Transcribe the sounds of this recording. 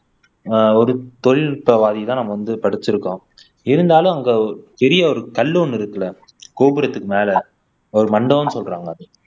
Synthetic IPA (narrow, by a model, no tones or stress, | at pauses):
ɔɾɯt̪ɔɻɪlpɐʋaːðit̪ãːnɐmːɐʋɐnd̪ɯpɐɽɯt͡ʃːɪɾɯkːõː | ɪɾɯnd̪aːlɯ̃ɐŋɡepɛɾɪjɐɔɾɯkɐlːɯɔnːɪɾɯkːɐlɐ | koːpɪɾɐt̪ːɯkːɯmeːlɐ | ɔɾɯmɐɳɖɐ̃ːnːɯsɔlraːŋɡɐːðɯ